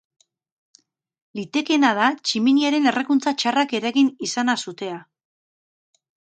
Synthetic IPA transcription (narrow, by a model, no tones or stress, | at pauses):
lit̪e̞ke̞nað̞at͡ʃiminiaɾe̞ne̞rekunt͡sat͡ʃarake̞ɾaɣinisanasut̪e̞a